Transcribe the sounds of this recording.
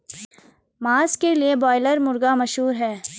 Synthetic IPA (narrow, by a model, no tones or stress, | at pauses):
maːzkeliebɔːɪləɾmʊɾɡamɐʃɦuːɾɦɛː